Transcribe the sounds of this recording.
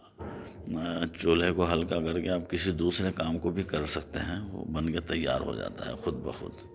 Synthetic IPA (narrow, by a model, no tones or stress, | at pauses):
t͡ʃoːlekoɦɐlkakɐɾkeaːpkɪsid̪uːsɾekaːmkobʱikɐɾsɐk̚t̪eɦɛ̃o̰bɐnket̪ɐjːa̰ːɾɦo̰d͡ʒa̰ːt̪a̰ɦɛ̰xʊd̪̚bḛxʊ̰d̪